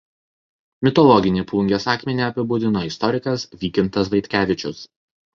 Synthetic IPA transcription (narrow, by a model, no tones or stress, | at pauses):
mʲɪt̪ɔlˠɔɡʲɪnʲiːplˠʊŋʲɡʲesɑːkʲmʲɛnʲiːˑɐpʲɪbʊd̪ʲɪnoːɪst̪ɔɾʲɪkɐsʋʲiːkʲɪnt̪ɐsʋɐɪt̪ʲkʲæːʋʲɪt͡ʃʲʊs